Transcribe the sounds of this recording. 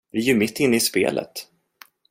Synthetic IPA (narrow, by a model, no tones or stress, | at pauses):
vɪjɵmɪt̪ːɪnːəɪspḛːlʔə̰t̪